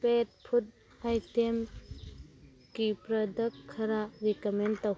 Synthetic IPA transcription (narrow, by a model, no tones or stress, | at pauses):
pet̚pʰut̚ | ajtem | kipɾɐdɐkʰːɐɾaɾikɐmentaw